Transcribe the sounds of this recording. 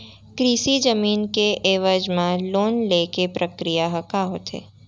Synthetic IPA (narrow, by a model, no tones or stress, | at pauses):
kɾiːsid͡ʒəmiːnkeʔeːʋəd͡ʒmãloːnlekepɾəkɾijaɦɐkaɦoːt̪ʰḛː